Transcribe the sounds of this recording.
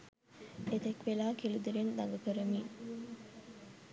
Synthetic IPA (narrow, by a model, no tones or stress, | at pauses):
et̪ekʋelaːkilud̪iɾend̪ɐ̰ŋɡɐkəɾɐmiː